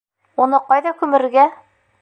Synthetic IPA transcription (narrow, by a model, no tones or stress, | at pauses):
unɤqɑjðɑkʉmɘ̆ɾɘ̆ɡæ